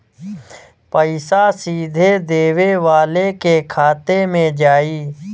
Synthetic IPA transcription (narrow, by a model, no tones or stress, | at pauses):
pəɪsasiːd̪ʱed̪eːweʋaːlekekʰaːt̪emẽd͡ʒaːiː